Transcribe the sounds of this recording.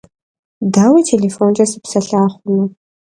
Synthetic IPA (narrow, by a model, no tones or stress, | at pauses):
daːwitʰeɮefoːnd͡ʒʼɐsɨ̥psɐɬaːχʷʊnu